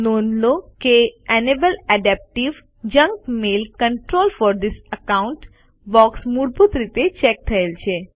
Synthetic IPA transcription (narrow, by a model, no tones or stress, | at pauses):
nonlokeɛnebəlæɖɛp̚ʈiʋ | d͡ʒə̃ŋkmelkəɳʈɾolfɔɾd̪isəkauɳʈ | bɔksmuɾbut̪ɾit̪et͡ʃɛk̚t̪ʰəelt͡ʃʰe